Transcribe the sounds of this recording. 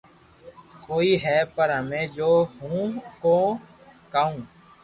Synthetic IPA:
koːiːɦɛːpəɾɦəmẽːd͡ʒoːɦũːkoː | kəːũː

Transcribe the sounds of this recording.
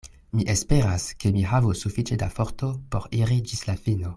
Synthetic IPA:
miʔespe̞ɾaskemiɦavusufit͡ʃedafoɾto̞po̞̰ɾiɾid͡ʒislafino

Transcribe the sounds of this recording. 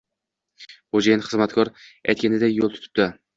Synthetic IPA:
χod͡ʒajanχɨzmat̪kʰɒɾɛ̰jt̪̚kʲanɪd̪ajolˠt̪ʰʊ̥t̪ʰɪ̥p̚d̪ɪ

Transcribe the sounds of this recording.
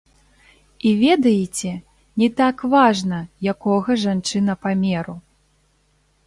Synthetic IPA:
ivʲɛd̪ɐjɛt͡sʲɛ | nʲɛt̪akvaʐnɐjakɔɣɐʐant͡ʂɨnɐpamʲɛɾu

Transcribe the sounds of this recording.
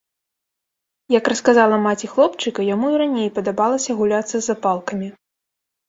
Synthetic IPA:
jɐkrɐskazalˠɐmat͡sʲixlˠɔpt͡ʂɨkɐjamuiɾanʲejpɐd̪abalˠɐsʲɐɣulʲat̪sːɐzːapalˠkɐmʲi

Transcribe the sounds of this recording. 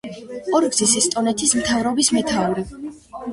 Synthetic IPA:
ɔɾɡzisɛst̪ʼɔnɛt̪ʰismt̪ʰavɾɔbismɛt̪ʰavɾɛ

